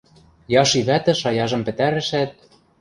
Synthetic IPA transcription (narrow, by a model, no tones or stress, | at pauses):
jɑʃiβæt̪ɘ̆ʃɑjɑʒɤ̆mpɘ̆t̪æɾɘ̆ʃæt̪̚